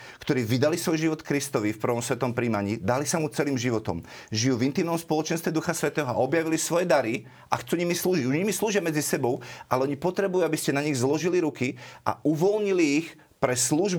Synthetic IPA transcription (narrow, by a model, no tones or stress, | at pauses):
kt̪ɔɾiːʋid̪alisʋɔjʒiʋɔt̪kɾist̪ɔʋifpr̩ʋɔmsʋɛt̪ɔmpɾiːmaɲiːd̪alisamut͡sɛliːmʒiʋɔt̪ɔ̰mʒijuːvint̪iːmnɔmspɔlɔt͡ʃɛnst̪ʋɛd̪uxasʋɛt̪ɛːɦɔa̰ɔbjaʋilisʋɔjɛd̪aɾi | ʔaxt͡suɲimisluːʒiɟuʒɲimisluːʒɪamɛd͡zisɛbɔʊʔalɛɔɲipɔt̪ɾɛbujuabiscɛnaɲiɣzlɔʒiliɾukiʔa̰uʋɔlɲiliːx | pɾɛsluːʒb